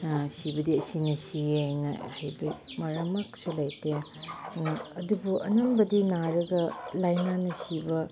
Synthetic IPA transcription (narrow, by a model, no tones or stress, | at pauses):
sibɐdiɐsinɐsieŋa̰hajbɐ | mɐɾɐmɐksulajte | ɐdubuʔɐ̰nɐmbɐdinaɾɐɡɐlajnanɐsibɐ